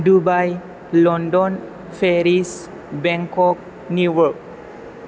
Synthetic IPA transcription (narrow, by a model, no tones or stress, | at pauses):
dubaj | lɔ̃ndɔ̃n | feɾis | bɛ̃ŋkɔk̚ | nuwək̚